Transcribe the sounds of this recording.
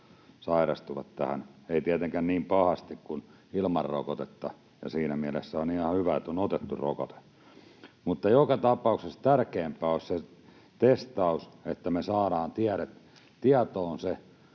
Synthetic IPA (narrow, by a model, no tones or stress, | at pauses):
sɑirɑ̰st̪uʋɑ̰t̪t̪æ̰hæ̰neit̪iæt̪eŋkænniːmpɑhɑst̪ikkun | ilmɑrːo̰kot̪et̪ːɑ̰ | jɑ̰siːnæmiælesːæonihɑhyʋæet̪ːonot̪et̪ːuro̰kot̪e̥ | mut̪ːɑjokɑt̪ɑpɑˑuksest̪ærkeːmpæːosʲse | t̪est̪ɑuset̪ːæmesɑːɾɑːnt̪iæɾet̪ | t̪iɑt̪oːnse